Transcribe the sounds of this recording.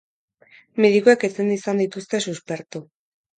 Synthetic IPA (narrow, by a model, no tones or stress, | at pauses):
meðikoeket͡send̪isand̪it̪ust̪e̞suspe̞ɾt̪u